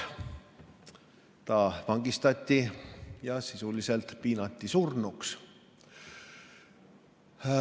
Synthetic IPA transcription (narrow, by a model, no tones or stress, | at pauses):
t̪ɑvɑŋɡ̥ist̪ɑt̪ʲːijɑsisuliselt̪piːnɑt̪ʲːisurnuks